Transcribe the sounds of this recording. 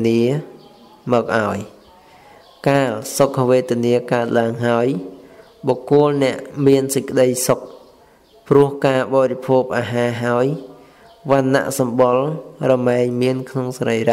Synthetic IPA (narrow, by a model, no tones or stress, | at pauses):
niə | mɔːk̚ʔaɔj | kaːlsokʰːʋeːt̪iəniəkaət̪̚laəŋɦaəj | ɓɑːkʊəlnɛ̆əʔmiənsəc̚kə̆ɗəjsok̚ | prʊ̆əhkaːɓɑːɾipʰuːp̚ʔaːɦaːɦaəj | ʋanːa̰ʔsɑmɓolrɑmɛɛɲmiənkʰnoŋsrəjra